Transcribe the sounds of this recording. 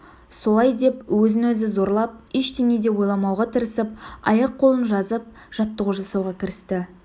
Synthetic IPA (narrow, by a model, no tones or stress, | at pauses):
so̞lˠɑjd̪e̞pwɵzɪnwɵzɪzo̞ɾlˠɑp̚ɪʃt̪ened̪e̞wo̞jlˠɑmɑwʁɑt̪ʰəɾəsəp̚ɑ̰jɑqqʰːo̞lˠənʒɑzəp̚ | ʒ̥ɑt̪ːəʁuʒɑsɑwʁɑkʲʰɪɾɪst̪ɪ